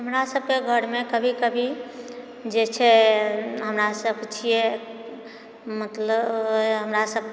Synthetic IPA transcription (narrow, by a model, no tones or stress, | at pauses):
ɦəmɾasəb̚ʱkeɡʱəɾmekəbʱikəbʱi | d͡ʒet͡ʃʰɛ | ɦəmɾasəb̚kt͡ʃʰijɛ | mət̪ləbɦəmɾasəb̚